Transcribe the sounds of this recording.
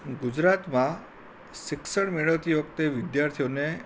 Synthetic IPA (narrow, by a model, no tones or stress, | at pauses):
ɡud͡ʒɾat̪mã | ʃɪksəɽmeɭəʋt̪ʰiʋəkt̪eʋɪd̪jaɾt̪ʰijone